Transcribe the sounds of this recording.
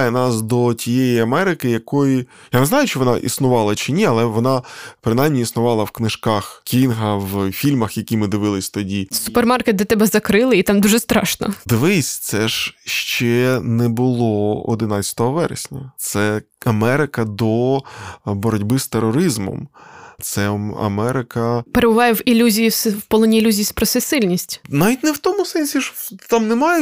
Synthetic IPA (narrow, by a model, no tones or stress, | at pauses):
jɛnɑsd̪ɔtʲijɛjiɐmɛɾɪkɪjɐkɔji | janɛznɑjʊt͡ʃɪʋɔnɑʔḭsnʊʋɑlˠɐt͡ʃɪnʲiɐlˠɛʋɔnɑpɾɪnajmnʲiisnʊʋɑlˠɐwknɪʃkɑxkʲinɦɐʋfʲilʲmɐxjɐkʲimɪd̪ɪʋɪlˠɪsʲt̪ɔdʲisupermɑrket̪̚d̪ɔt̪ɛbɛzɐkɾɪlˠɪit̪ɑmd̪uʒɛst̪ɾɑ̰ʃnɐ̰d̪ʋɪsʲt̪sɛʒʃt͡ʃɛnɛbʊlˠɔɔ̰d̪ɪnɑt͡sʲɐ̥t̪ɔɦɔʋɛɾḛsʲnʲɐt̪sɛ | ɐmɛɾɪkɐd̪ɔ | bɔɾɔdʲbɪst̪eɾɔɾɪzmɔ̰mt̪sɛɐ̰mɛɾɪkɐpeɾebʊʋɑjɛʋilʲːuzʲijiswpɔlˠɔnʲiːlʲuzʲijispɾɔsɛsɪlʲnʲisʲtʲnaʋʲit̚ʲnɛwt̪ɔmʊsɛnʲsʲiʃt̪ɑmnɛmɑjɛ